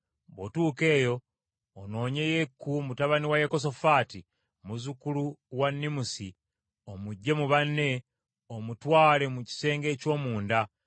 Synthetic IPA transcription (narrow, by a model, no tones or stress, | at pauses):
bo̰tuːke̞ːjo̞ː | no̞ːɲe̞je̞kːumutaβaniwajeko̞s̬o̞faːti | muzukuluwanːimusi | o̞muɟːe̞muβanːe̞ | omutwaːle̞muci̥se̞ːŋɡe̞ːco̞ːmuːnda